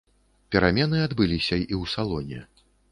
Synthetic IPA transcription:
pʲɛɾamʲɛnɨad̪bɨlʲisʲɐiwsalˠɔnʲɛ̰

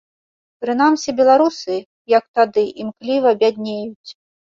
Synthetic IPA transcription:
pɾɨnamsʲɛbʲɛlˠaɾusɨ | jɐk̚t̪ad̪ɨʔimklʲivɐbʲad̪ʲnʲejut͡sʲ

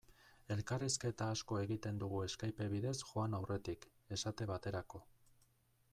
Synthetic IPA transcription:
e̞lkariske̞t̪aːsko̞e̞ɣit̪e̞nd̪uɣue̞skajpe̞βiðe̞sʝoanawre̞t̪ik | e̞sat̪e̞βat̪e̞ɾako̞

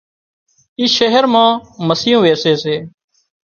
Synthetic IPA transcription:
iːʃeɦəɾmãːməsiːõːʋeːseːseː

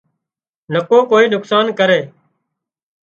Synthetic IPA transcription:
nəkoːkoːiːnʊksaːnkəɾeː

